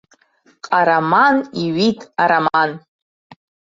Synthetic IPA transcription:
qʼaɾamaniɥitʼaɾaman

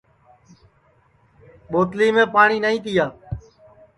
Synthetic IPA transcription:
ɓoːt̪liːmẽːpaːɳiːnaĩːt̪ɪjaː

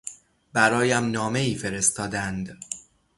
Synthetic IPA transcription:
bæɾɒːjæmnɒːme̞iːfe̞ɾe̞st̪ɒːd̪ænd̪

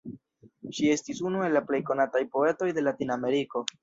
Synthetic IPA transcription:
ʃie̞stisunue̞lːaple̞jko̞natajpo̞e̞to̞jde̞latiname̞ɾiko̞

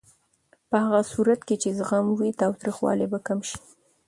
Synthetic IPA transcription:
pəhaɣasuɾat̪ket͡ʃezɣamwit̪ɑwt̪ɾixwɑ̰lebakamʃi̥

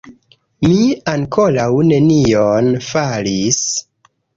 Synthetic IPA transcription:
miaŋkolawne̞nionfalis

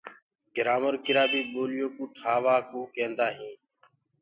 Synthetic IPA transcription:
ɡ̥ɪɾaːməɾkɪɾaːbiːɓoːlɪjoːkũːʈʰaːʋaːkuːkẽːnd̪aːɦĩː

